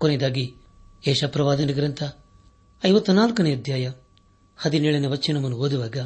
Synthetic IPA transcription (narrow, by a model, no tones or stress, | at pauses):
koned̪aːɡi | eːʃɐpɾɐʋaːd̪ɐniɡɾɐnt̪ʰɐ | ɐjʋɐt̪ːunaːlkɐneɐd̪jaːjɐ | hɐd̪ineːɭɐneʋɐt͡ʃːt͡ʃinɐmɐnuɦoːd̪uʋaːɡɐ